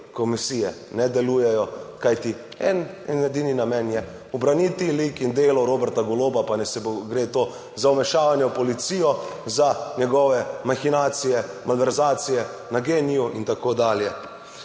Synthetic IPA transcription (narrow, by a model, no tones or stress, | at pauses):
kɔmisijɛnɛd̪ɛluːjɛjɔkajt̪i | ɛ̰nɛnɛd̪ininamɛnjɛ | ubɾanit̪ilikind̪eːlɔɾoːbɛɾt̪aɡɔloːbapanɛsɛboɡɾeːt̪oː | zawmɛʃaːʋanjɛwpɔlit̪sijɔzanɛɡɔʋɛmaxinaːt̪sijɛmalʋɛɾzaːt̪sijɛnaɡeːnijuʔint̪akoːd̪aːljɛ